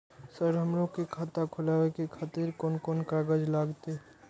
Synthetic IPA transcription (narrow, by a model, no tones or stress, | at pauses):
səɾɦəmɾõkekʰaːt̪akʰʊlaːwekekʰaːt̪iɾkoːnkoːnkaɡəd͡ʒlaːɡt̪e